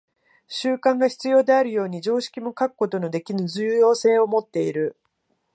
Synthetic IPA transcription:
ɕɨːkãŋɡaçi̥t͡sɨjo̞ːd̪e̞aɾɯ̟jo̞ːɲ̟id͡ʑo̞ːɕi̥kʲimo̞kakɯ̟̥ko̞t̪o̞no̞d̪e̞kʲinɯ̟zɨjo̞ːse̞ːo̞mo̞t̪ːe̞iɾɯ̟

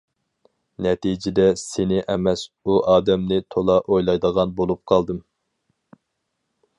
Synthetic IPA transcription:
nɛt̪id͡ʒɪd̪ɛsenɪʔɛmɛsuʔɑːd̪ɛmnɪt̪ʰolˠɑʔojlˠɑjd̪əʁɑnbolˠup̚qʰɑlˠd̪ɨm

